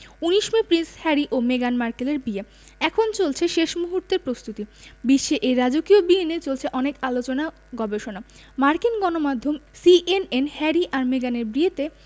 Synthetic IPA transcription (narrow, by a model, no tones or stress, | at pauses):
uniʃmipɾinshɛɾiʔomeɡanmaɾkeleɾbie | ɛkʰont͡ɕolt͡ɕʰeʃeʃmuɦuɾt̪eɾpɾost̪ut̪ibiʃːeʔeɾad͡ʑokiobienet͡ɕolt͡ɕʰeʔɔnekalot͡ɕona | ɡɔbeʃona | maɾkinɡɔnomad̪ʱːomsiʔenenhɛɾiʔaɾmeɡaneɾbɾiet̪e